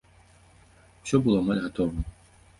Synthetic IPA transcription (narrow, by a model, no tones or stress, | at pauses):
w̥sʲɔbɨlˠɔmalʲɣat̪ɔvɐ